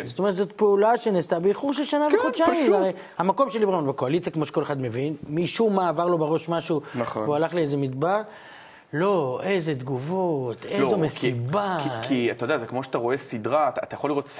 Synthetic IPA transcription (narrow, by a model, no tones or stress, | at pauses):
zot̪ome̞ʁet̪zot̪̚peulaʃenest̪abeiχuʁʃelʃanaveod̪ʃaiaʁej | hamako̞mʃelibamonbekoalit͡sijakmo̞ʃe̥koleχad̪me̞vinmiʃumaːvaʁlo̞beʁo̞ʃmaʃunɐχvualaχliezemidbaʁ | lo̞ʔejze̞d̪ɡuvo̞t̪ezomesibakiat̪ajodeazekmoʃat̪aʁo̞esid̪ʁataːt̪ajaχoliʁots